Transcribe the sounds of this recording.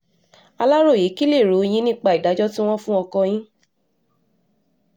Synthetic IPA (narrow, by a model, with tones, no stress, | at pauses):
a˧la˦ɾo˦˨ji˨˦ki˦le˦˨ɾo˨˧j̃ĩ˦nĩ˦k͡pa˦˨i˨da˨˦d͡ʒɔ˦tĩ˦w̃ɔ̃˦fũ˦ɔ˧kɔ̃˧j̃ĩ˦